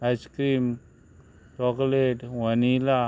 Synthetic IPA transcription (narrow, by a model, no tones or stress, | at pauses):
askɾiːm | ʈɔkleʈʋɐnila